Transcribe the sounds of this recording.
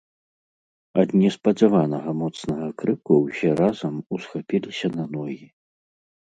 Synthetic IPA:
ɐd̪nʲɛspɐzʲavanɐɣɐmɔt̪snɐɣɐkɾɨkuwsʲɛɾazɐmusxapʲilʲisʲɐnɐnɔji

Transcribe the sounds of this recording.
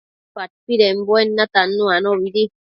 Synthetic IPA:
pat̚piɾɛm̩bwɛnːatanːuanɔɾidi

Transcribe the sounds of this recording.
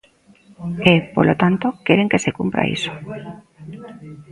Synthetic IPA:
epo̰lot̪ant̪okeɾeŋkesekumpɾa̰ḭso̥

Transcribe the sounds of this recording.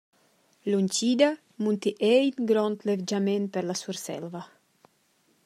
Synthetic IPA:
lunʲt͡ʃid̪a | munt̪iʔejt̪ɡɾɔnt̪levd͡ʒamenpeɾlasuɾsɛ̰lva

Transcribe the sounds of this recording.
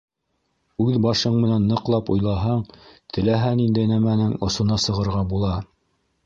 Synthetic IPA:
ʉðbɑʃɤɴmɘ̆nænːɤ̆qlˠɑpŏjlˠɑɦɑɴt̪ʰɘ̆læɦænind̪æjnæmænɘŋŏsŏnɑsɤ̆ʁɤ̆ɾʁɑbulˠɑ

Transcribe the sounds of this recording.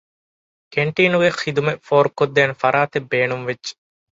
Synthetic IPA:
keɳʈiːnuɡexid̪umefoːɾukːod̪ːeːnefɐɾaːt̪ebːeːnumʋed͡ʒd͡ʒːe̥

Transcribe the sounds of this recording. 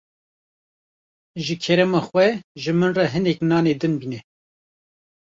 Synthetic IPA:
ʒɨkʰɛɾɛmɑxwɛʒɨmɨnrɛɦɨnɛknɑːned̪ɨnbiːnɛ

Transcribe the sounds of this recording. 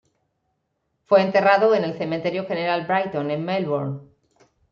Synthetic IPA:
fwe̞ːnt̪e̞raðoene̞lθe̞mẽnt̪e̞ɾjoxe̞neɾalbɾajt̪õnẽmmelβoɾn

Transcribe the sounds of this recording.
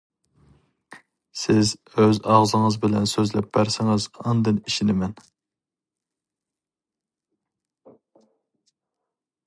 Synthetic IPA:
sɪz | øzɑʁzɨŋɨzbɪlɛ̰nsøzlɛp̚b̥æɾsɪŋɪzɑnd̪ɨniʃinɪmɛn

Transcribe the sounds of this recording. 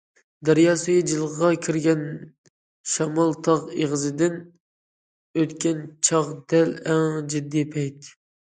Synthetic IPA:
d̪æɾjɑːsɨɡid͡ʒɨlˠʁɑkʲʰiɾɡʲɛn | ʃɑmɑlˠt̪ʰɑʁeʁəzɨd̪ɪn | øt̪kʲʰɛnt͡ʃʰɑʁd̪ɛlæŋd͡ʒid̪ːipʰɛjt̪

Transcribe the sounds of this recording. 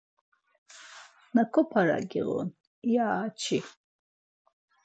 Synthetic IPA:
nakʰɔpʰaɾa̰ɡʲiʁɔ̰n | iaːt͡ʃʰi

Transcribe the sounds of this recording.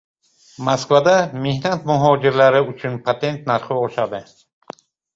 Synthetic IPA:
maskvad̪amehnat̪̚muɦɔd͡ʒiɾlaɾiut͡ʃʰunpʰat̪ent̪̚naɾχɔɔʃad̪e

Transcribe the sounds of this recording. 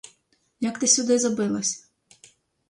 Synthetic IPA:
jɐkt̪ɪsʲud̪ɪzɐbɪlˠɐsʲɐ̥

